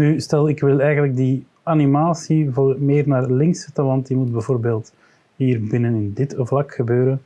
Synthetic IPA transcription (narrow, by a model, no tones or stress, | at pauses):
nystɛlˠɪkʋɪlˠɛjɣənlək̚di | animaːsivoːrmeːrnaːrlɪŋsətalɑntdimud̚bɛvoːrbeːlˠt | ɦiːrbɪnənɪndɪtvlɑkxəbøːɾən